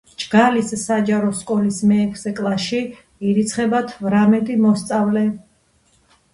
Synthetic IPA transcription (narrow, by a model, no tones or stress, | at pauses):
d͡ʒɡalisːad͡ʒaɾɔskʼɔlismɛːkʰsɛkʼlˠaʃi | iɾit̪sʰχɛbat̪ʰvɾamɛt̪ʼimɔst̪sʼavlɛ